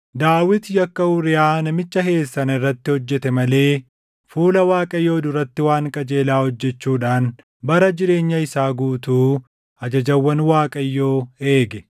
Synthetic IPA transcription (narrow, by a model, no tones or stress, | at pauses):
d̪aːwɪt̪jɐkːɐʊɾɪjaːnɐmɪt͡ʃːɐɦe̞ːsːɐnɐɪrːɐt̪ːɪhɔd͡ʒːɛt̪ɛmɐle̞ː | fuːlɐwaːkʼɐjːo̞ːd̪ʊɾɐt̪ːɪwaːŋkʼɐd͡ʒe̞ːlaːhɔd͡ʒːɛt͡ʃːuːᶑaːn | bɐɾɐd͡ʒɪɾe̞ːɲːɐɪsaːɡuːt̪uː | ɐd͡ʒɐd͡ʒɐwːɐnwaːkʼɐjːo̞ːe̞ːɡɛ